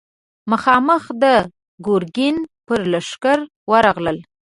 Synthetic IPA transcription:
məxɑməxd̪ə | ɡoɾɡinpəɾlaʂkaɾ | wəɾɑɣləl

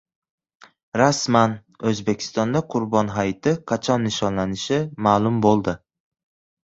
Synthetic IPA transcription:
ɾasman | ɵzbe̞kʲʰɪ̥st̪ɒnd̪aqʰʊɾbɒnɦajt̪ʰɪqʰɑt͡ʃʰɒnːɪʃɒnlanɪʃɪmaːlˠʊmbolˠd̪ɪ

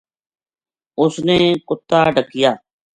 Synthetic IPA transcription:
ʊsneːkʊt̪ːaːɖəkɪjaː

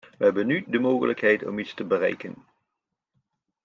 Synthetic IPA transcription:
ʋəɦɛbənːydəmoːχə̰ləkɦɛjtɔ̰mitstəbərɛ̰jkən

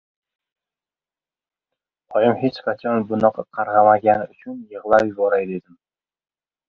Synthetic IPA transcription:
ɒjɪmhet͡ʃqʰɑt͡ʃʰɒnbʊnɒqʰɑqʰɑɾʁɑmaɡʲanɪʊt͡ʃʰʊnjɨʁlˠaɾjʊzɒɾajd̪ed̪ɪm

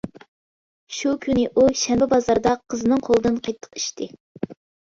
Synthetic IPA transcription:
ʃukʲʰynɪʔuʃɛmbɪbɑzɑɾd̪ɑqʰːəzɨnɨŋqʰolˠəd̪ɨnqʰɑjt̪ʰːə̥qi̥ʃt̪ɪ

